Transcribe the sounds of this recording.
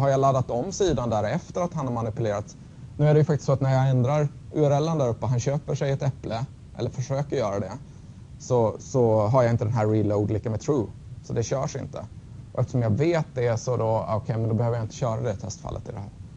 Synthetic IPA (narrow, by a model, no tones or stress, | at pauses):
ɦaɾjɑlad̪ːat̪ɔmːsiːd̪and̪æɾɛft̪əɾat̪hanhaɾmanɪpɵleːɾat̪ | nʉ̟ːæɖɛjɵfakt̪ɪ̥st̪sɔat̪næɾjɑɛnd̪ɾaɾ | ʉæɾɛlːənd̪æɾɵpːəɦanɕøːpəʂɛjɛt̪ɛplə | ʔɛ̰lːəɾfœʂøːkəɾjœːɾad̪ɛ | sɔsɔɦaɾjɑɪnt̪əd̪ɛnɦæɾːiloʊd̪liːkamɛt̪ʰɾuː | sɔd̪ɛɕœːʂɪ̰nt̪ə̰ | ɔʔɛft̪əʂɔmjɑveːt̪̚d̪ɛsɔd̪ɔɔkʰɛjmɛnd̪ɔbɛhøːvəɾjaɪnt̪əɕœːɾad̪ɛt̪ʰɛst̪fa̰lːʔə̰t̪ɪld̪ɛɦæ̰ːɾ